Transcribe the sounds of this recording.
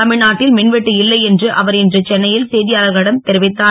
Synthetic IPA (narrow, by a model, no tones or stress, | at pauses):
ɐmɪɻnaːʈːɪlmɪnʋɛʈːɯɪlːɐɪɛndrɯʔɐʋɐɾɛndrɐt͡ʃɛnːɐjɪlsɛːðɪjaːlɐɣɐɪɽɐmt̪ɛɾɪʋɪt̪ːaː